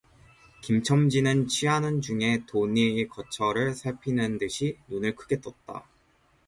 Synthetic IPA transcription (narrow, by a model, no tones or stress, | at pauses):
kimt͡ɕʰʌmd͡ʑinɯnt͡ɕʰiɦanɯnd͡ʑuŋe̞toɲiːkʌt͡ɕʰʌɾɯɭsʰaɭpʰinɯndɯɕʰinunɯɭkʰɯɡe̞t͈ʌt̚t͈a̰